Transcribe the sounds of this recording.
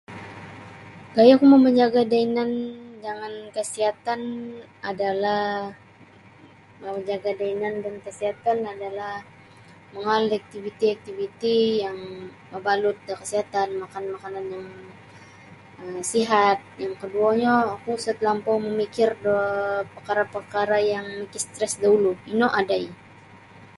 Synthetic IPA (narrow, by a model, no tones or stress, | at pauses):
kajakumaməɲd͡ʒaɡadainand͡ʒaŋankəsiɦat̪anadalah | məməɲd͡ʒaɡadainandankəsiɦat̪anadalah | məŋalak̚t̪ivit̪iak̚t̪ivit̪ijaŋ | məbalʊt̪̚dakəsiɦat̪anmakanmakananjaŋ | əmsiɦat̪̚jaŋkəduaɲaːkusat̪lampɔməmikɪrdopərkaɾapərkaɾajaŋmikist̪ɾɛsdauluinoʔadai